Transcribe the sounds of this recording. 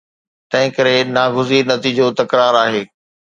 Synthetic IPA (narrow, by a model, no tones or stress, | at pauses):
t̪ɐ̃ɦɪ̃kɐɾenaːɡʊziːɾnɐt̪iːd͡ʑot̪ɐkɾaːɾaːɦeː